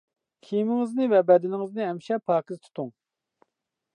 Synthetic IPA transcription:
kʲʰijmɪŋɪznɨvɛbɛd̪ɪnɪŋɨznɨɛmʃɛpʰɑːkɨzt̪ʰu̥t̪ʰuŋ

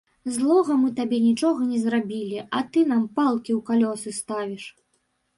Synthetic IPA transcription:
zlˠɔɣɐmɨt̪abʲɛnʲit͡ʂɔɣɐnʲɛzrabʲilʲiʔɐt̪ɨn̪ampalˠkʲiwkalʲɔsɨst̪avʲiʂ

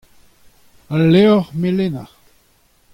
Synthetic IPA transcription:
aleɔʁmelena

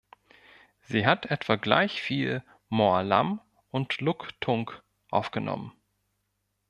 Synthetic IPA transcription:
z̥iːɦatʰʔɛtv̥aɡla̰ɪçfiːl | moɐla̰m | ʔʊntlʊktʰʊŋk | ʔaʊfɡ̥ənɔ̰mən

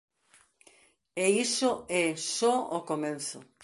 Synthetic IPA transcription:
eisoɛsɔokomẽnθʊ̰

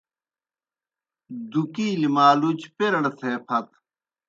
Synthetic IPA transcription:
d̪ukiːlimaːlut͡ɕpeɾɐɽt̪ʰeːpʰɐt̪

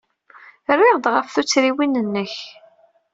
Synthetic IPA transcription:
rːeʁd̪ʁəfθut͡sːɾiwinənːəç

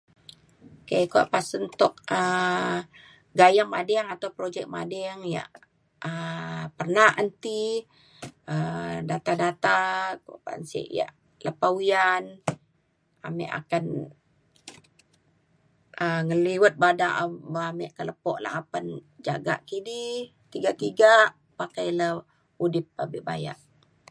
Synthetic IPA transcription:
kajkua̰ʔpasənt̪ɔk̚ə | ɡajaŋmadɛŋat̪awpɾod͡ʒɛk̚madɛŋja̰ʔ | əpərnahənt̪i | ədat̪adat̪akaʔpa̰nsḭʔja̰ʔ | ləpauijan | a̰mɛ̰ʔa̰kan | əŋəliwət̪̚badaʔbəamɛʔkələpɔʔla̰hapənd͡ʒa̰ɡa̰ʔkidi | t̪iɡaʔt̪iɡaʔ | pakajlə | udɪp̚ːabiʔbaja̰ʔ

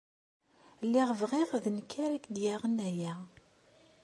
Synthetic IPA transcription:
lːɪʁəvʁeʁðənkʰːaɾækd̪jaʁənæjæ

